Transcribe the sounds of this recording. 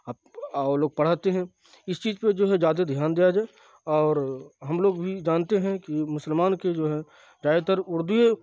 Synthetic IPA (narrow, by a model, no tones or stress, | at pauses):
aː | ɔːloːɡ̚pɐɽ̤aːt̪eɦɛ̃ | ɪst͡ʃiːzped͡ʒoːɦɛd͡ʒjaːd̪ed̪ʱjaːnd̪iːjad͡ʒaːe | ɔːɾɦɐmloːɡbʱid͡ʒaːnt̪eɦɛ̃kimʊsəlmaːnked͡ʒoːɦɛ | d͡ʒaːjet̪əɾʊɾd̪ʊje